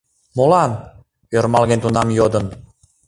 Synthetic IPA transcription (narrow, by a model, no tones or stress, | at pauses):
molɑn | øɾmɑlɣent̪unɑmjod̪ən